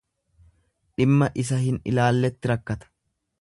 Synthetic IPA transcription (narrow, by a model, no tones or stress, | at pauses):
ᶑɪmːɐʔɪsɐhɪnɪ̰laːlːɛt̪ːɪɾɐkːɐt̪ɐ̥